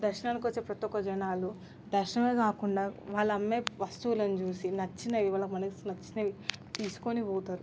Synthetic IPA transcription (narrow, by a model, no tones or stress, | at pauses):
d̪ɐɾʃɐnaːlɐkiʋɐt͡ʃːeːpɾɐt̪ɔkːɐd͡ʒɐnaːlu | d̪ɐɾʃɐnɐmeːkaːkuɳɖaːʋaːɭːɐmːeːʋɐst̪uːlɐnut͡ʃuːsinɐt͡ʃːinɐʋiʋaːlɐkmɐnɐkisnɐt͡ʃːinɐʋit̪iːsu̥konipɔːt̪aːɾu